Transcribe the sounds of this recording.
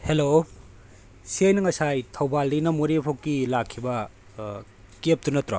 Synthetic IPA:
helo | siajnɐŋɐsajtʰɐwbaldinɐmoɾepʰokːilakʰːibɐ | kep̚tunɐtɾo̰

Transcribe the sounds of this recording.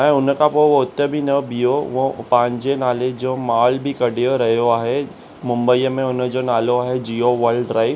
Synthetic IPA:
ɦɛ̃ʊnkapoʋoʊt̪ːəbʱinəbijoʋopãːɲd͡ʒenaːled͡ʒoːmaːlbʱikɐɽʱijoɾɐɦjoaːɦe | mʊ̃mbəijəmẽʊnd͡ʒonaːloaːɦed͡ʒiːoʋəɾɖɾaːɪ

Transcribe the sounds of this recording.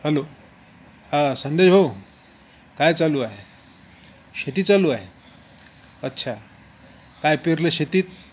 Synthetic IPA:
həlo | hãsənd̪eɕɦo | kajt͡saluːaɦe | ɕet̪iːt͡saluːaɦe | ətːɕʰa | kajpiɾleɕet̪iːt̪̚

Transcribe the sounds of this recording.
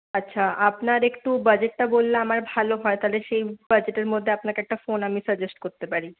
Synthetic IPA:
ɐtːɕʰaapnaɾekʈubɐd͡ʑeʈːabolːaamaɾbʱaloɦɔet̪aɦleʃejb̥əd͡ʑeʈeɾmod̪ʱːeapnaɾkeɛk̚ʈafonamisəɾd͡ʑesʈkoɾt̪epaɾi

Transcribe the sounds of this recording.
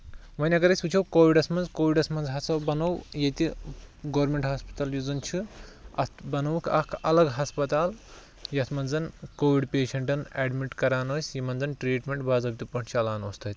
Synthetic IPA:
ʋɐnʲɐkɐɾɐsʲut͡ʃʰɐwkoːʋiɖɐsmɐnzkoːʋiɖɐsmɐnzɦɐt͡sɐbɐnɐwjet̪iɡoːɾmʲeɳʈɦaːspɐ̥t̪ɐːljuzɐnt͡ʃʰiɐ̰t̪ʰbɐnɐwkʰɐkʰɐlɐɡɦɐspɐt̪aːl | jɐt̪ʰmɐnzɐnkoːʋiɖpeːʃɐɳʈɐneːɖmiʈkɐɾaːnoːsʲjimɐnzɐnʈɾiːʈmʲeɳʈbaːzɐb̚ʲit̪ʲupɐɳt͡ʃʰɐlaːnoːst̪ʰɐt̪ʲ

